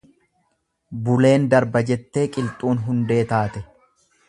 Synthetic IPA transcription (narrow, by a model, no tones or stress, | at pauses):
bʊle̞ːnd̪ɐɾbɐd͡ʒɛt̪ːe̞ːkʼɪlt̪ʼuːnɦʊnd̪e̞ːt̪aːt̪ɛ